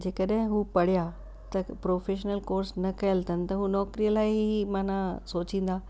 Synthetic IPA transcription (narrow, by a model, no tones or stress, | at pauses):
d͡ʑeːkəɗɦẽɦuːpɐɽ̤ija | t̪ɐpɾoːfeːʃənəlkoːɾsnɐkɐjəlt̪ʰɐn̆t̪ɐɦuːnɔːkɾijəlaːɦimãːnãsoːt͡ɕĩːn̆d̪aː